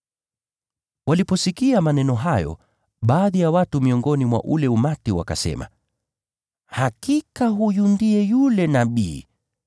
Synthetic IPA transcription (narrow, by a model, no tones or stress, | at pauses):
walipɔsikiamanɛnɔɦajɔ̰ | ɓaːðijawatumiɔŋɡɔnimwa̰ʔulɛumatiwa̰ka̰sɛ̰ma̰ | hakikaɦujundiɛjulɛnaɓḭː